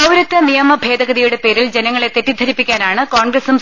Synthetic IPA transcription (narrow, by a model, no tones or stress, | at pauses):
ɐwɾɐt̪ːɐnijɐmɐbʱe̞ːd̪ɐɣɐðijuɽe̞pe̞ːɾild͡ʑenɐŋːɐɭe̞t̪etːid̪ʱɐɾipːikʲːaːnaːɳɨkoːɳɡɾɐsum